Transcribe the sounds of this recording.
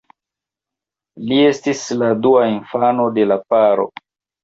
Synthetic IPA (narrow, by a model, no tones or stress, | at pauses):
lie̞stisladuainfano̞de̞lapaɾo̞̰